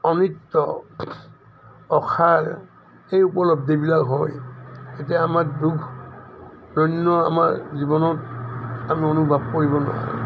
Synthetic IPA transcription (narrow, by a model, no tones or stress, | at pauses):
ɔnitːɔ | ɔkʰaɹ | ejupɔlɔb̚dibilakɦɔjet̬iaamakdukʰ | dɔnːɔa̰maɹzibɔnɔtamiɔnubʱab̚koɹibɔnɔ̰ɦɔ̰j